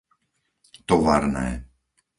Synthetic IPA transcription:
t̪ɔʋa̰ɾnɛ̰ː

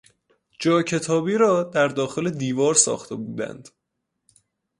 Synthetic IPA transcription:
d͡ʒɒːcʰe̞t̪ʰɒːbiːɾɒːd̪æɾd̪ɒːxe̞le̞d̪iːvɒːɾsɒ̰ːxt̪ʰe̞buːd̪æ̰nd̪̥

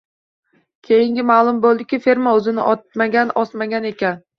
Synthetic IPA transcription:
kʲʰe̞jɪŋɡʲɪmalˠʊmbolˠd̪ɪkʲɪfeɾmaɵzɪnɪʔɒt̪̚maɡʲanɒsmaɡʲane̞kʲan

